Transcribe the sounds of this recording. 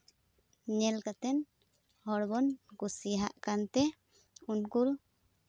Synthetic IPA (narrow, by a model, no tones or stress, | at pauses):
ɲɛlkat̪ɛn | hɔɾbɔnkusiɦa̰ʔkant̪ɛ | unkul